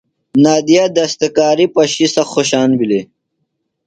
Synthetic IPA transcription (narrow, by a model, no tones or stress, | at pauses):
naːd̪ijad̪ɐst̪ɐkaːɾipɐɕisɐxoɕaːnbile